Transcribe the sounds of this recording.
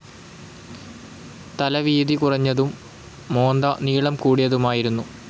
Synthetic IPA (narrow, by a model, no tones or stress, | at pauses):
t̪ɐlɐʋiːðikurɐɲːɐðumː | o̞ːnd̪ɐniːɭɐmkuːɽijɐðumaːjiɾunːu